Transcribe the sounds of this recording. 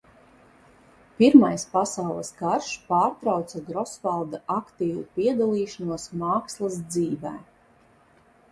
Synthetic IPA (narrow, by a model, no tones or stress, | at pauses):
piɾmajspasawlˠəsɡaɾʃpaːɾt̪ɾawt̪saɡɾɔsvalˠd̪aʔakt̪iːvupiɛd̪alˠiːʃanuɔsmaːkslˠasd̪ziːvɛ̰ː